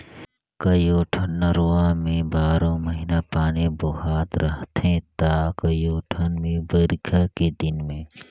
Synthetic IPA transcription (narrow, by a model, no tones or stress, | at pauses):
kɐjoːʈʰənːəɾoːãmẽbaːɾõməɦinapaːneboɦaːt̪ɾəɦt̪ɦẽt̪aːkəjoːʈʰənmẽbəɾɪkʰaked̪ɪnmẽː